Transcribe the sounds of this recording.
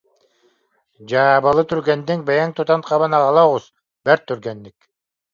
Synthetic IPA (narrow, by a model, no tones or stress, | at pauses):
d͡ʒaːbɑlˠɯt̪ʰyɾɡend̪iŋ̚bejaŋt̪ʰut̪ɑnqʰɑβɑnɑʁɑlˠaʁuz | bæɾt̪ʰːyɾɡend̪ik